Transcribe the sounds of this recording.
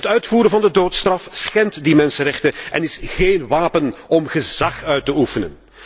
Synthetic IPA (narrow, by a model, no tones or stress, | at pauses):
ətœɥtfuːɾənvɑndədoːtstrɑfsxɛntdimɛnsənɾɛxtəɛ̰nɪsɣeːnʋaːpənɔmɣəzɑxœɥtəufənə̰n